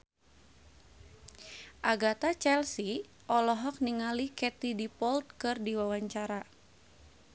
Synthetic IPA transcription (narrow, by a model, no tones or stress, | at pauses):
ʔaɡat̪at͡ʃɛlsi | ʔɔlɔɦɔk̚niŋalikɛt̪idipɔlt̪̚kɨrdiwawaɲt͡ʃaɾa